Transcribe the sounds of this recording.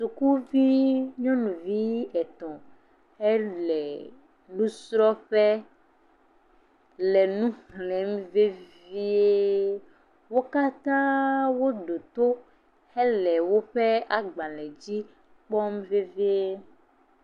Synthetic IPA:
su˨ku˦vi˦ɲɔ̃˦nũ˨vi˦ɛ˨t̪ɔ̃˨ | hɛ˦lɛ˨ | lũ˦sɾɔ˦ɸɛ˦ | lɛ˨nũ˦xlɛ̃˨˦m˦ve˦ | vi˦e˦ | wo˦ka˦t̪ã˦wo˦ɖo˨t̪o˦ | hɛ˦lɛ˨wo˦ɸe˦a˨ɡ͡bã˨lɛ˨d͡ʑi˦ | k͡pɔ˦m˦ve˦vi˦e˦

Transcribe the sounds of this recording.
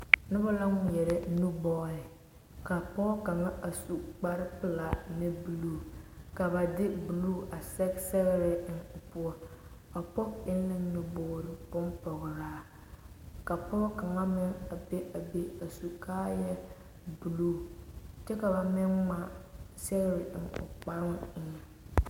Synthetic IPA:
nʊ˦ba˦la˦ŋ˨jɛ˨ɾɪ˦nu˦bɔː˦ɾɪ˨ | ka˨pɔ˦ka˨ŋa˦ʔa˨su˨k͡pa˦ɾɪ˦pɪ˦la˨nɪ˦bu˨luː˦˨ka˨ba˨dɪ˦bu˨luː˦a˨sɛ˦ksɛ˦ɣɪ˦ɾɪ˦ŋʊ˨pu˦ɔ˦ | a˨pɔ˦kɪ˦nɪ˦ŋnu˦boː˨ɾɪ˨bʊ˦mpɔ˨ɣɾaː˦ | ka˨pɔ˦ka˨ŋa˦mɪ˦ŋa˨be˦ʔa˨be˦a˨su˨kʰaː˦jɛ˦ | bu˨luː˦tɛ˦ka˨ba˨mɪ˦nŋa˦sɛ˦ɣɪ˦ɾɪ˨ʔɪ˨nʊ̰˨k͡pa˦ɾɪ˦ŋɪ˦na˨

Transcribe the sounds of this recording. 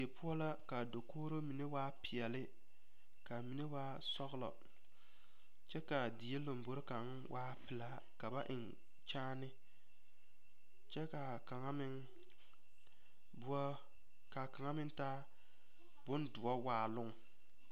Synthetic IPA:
e˨pʊ˦ɔ˦la˦ka˨do˨koː˦ɾo˦mi˨ne˦waː˦pɪ˨ɛ˨lɪ˦ | ka˨mi˨ne˦waː˦ | sɔ˦ɣlɔ̰˨ | t͡ʃɛ˦ka˨di˨e˦lo˨mbo˨ɾɪ˦ka˨ŋ˦wʔaː˦pɪ˨la˦ | ka˨ba˦ʔɪ̰˨n | t͡ʃaː˦nɪ˦ | t͡ʃɛ˦ka˨ka˨ŋa˦mɪ˦ŋ | ba˦ | ka˨ka˨ŋa˦mɪ˦ntaː˦ | bʊ˦ndʊ˨ɔ˦waː˦lʊ˦ŋ˨

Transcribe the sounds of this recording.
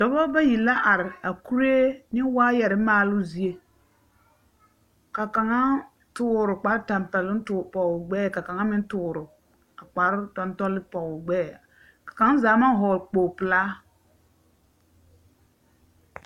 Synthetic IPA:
d̥ɔ˨bɔ˦ba˦ji˨la˦ʔa˨ɾɪ˨a˨ku˦ɾe˦nɪ˦waː˦jɛ˨ɾɪ˦maː˦lʊ˦zi˦e˦ | ka˨ka˨ŋa˦ | tʊː˦˨ɾʊ˨k͡pa˨˦ɾta˨npɛ˨lɪ˦tːpɔ˨ɡ͡bɛː˦˨ka˨ka˨ŋa˦mɪ˦n˦tʊː˨ɾʊ˨ | a˨k͡pa˨˦ɾtɔ˦ntɔ˦lɪ˦pɔ˨ɡ͡bɛː˦˨ | ka˨ka˨˦ŋa˦zaː˨˦ma˦ɦɔː˨k͡poː˨pɪ˨laː˦

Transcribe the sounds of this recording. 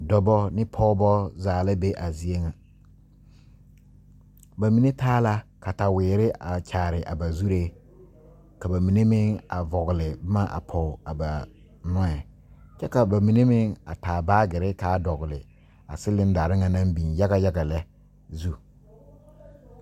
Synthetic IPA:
dɔ˦bɔ˦nɪ˦pʰɔ˦bɔ˦zaː˨la˦be˦ʔa˨zi˦e˦ŋa˨ | ba˨mi˨ne˦taː˦la˦ka˨ta˨wɪː˨ɾɪ˦ʔa˨t͡ʃʰaː˨ɾɪ˨ʔa̰˨ba˨zu˦ɾe˦ | ka˨ba˨mi˨ne˦mɪ˦ŋa̰˨vɔ˨ɣʊ˨lɪ˨bma˦ʔa̰˨pʰɔ˨a˨ba˨ | nɔ˦ɛ˨ | t͡ʃɛ˦ka˨ba˨mi˨ne˦mɪ˦ŋa̰˨taː˨baː˦ɡɪ˨ɾɪ˦kaː˦dɔ˨ɣʊ˨lɪ̰˨ | a̰˨sɪ˦lɪ˦n˦da˨ɾɪ˦ŋa˨nã˦m˦bi˨nja˦ɡa˦ja˦ɡa˨lɛ˦ | zu˦

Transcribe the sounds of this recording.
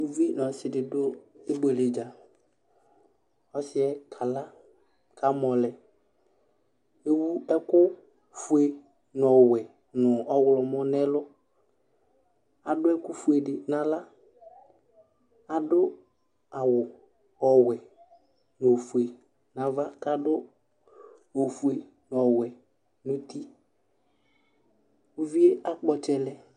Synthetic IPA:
u˨vi˦n˨ɔ˨sɪ˨dɪ˨dʊ˦e˦be˨lɪ˨d͡ʒa˨ | ɔ˦sɪ˦ɛ˦kʰa˨la˦ | kʰa˨mɔ˨lɛ˨ | e˦wu˦ɛ˦kʊ˦ | fu˨e˨ | nʊ˨ɔ˨wɛ˨ | nʊ˨ɔ˦wlɔ˨mɔ˦nɛ˦lʊ˦ | a˨dʊ˦ɛ˦kʊ˦fu˨˦e˨dɪ˨na˨la˦ | a˨dʊ˦ | a˨wʊ˨ | ɔ˨wɛ˨ | n˨o˨fu˨e˨ | na˨va˦ka˦dʊ˦ | o˨fu˨e˨ | n˨ɔ˨wɛ˨ | nʊ˨t̪i˦ | u˦vi˦e˦a˨k͡pɔ˨t͡ʃɛ˨lɛ˦

